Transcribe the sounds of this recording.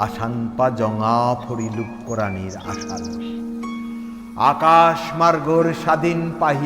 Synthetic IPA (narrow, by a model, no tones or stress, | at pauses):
aʃanpad͡ʑɔŋapʰoɾilup̚koɾaniɾa̰ʃa̰l | a̰kaʃmaɾɡoɾʃad̪ʱinpaɦi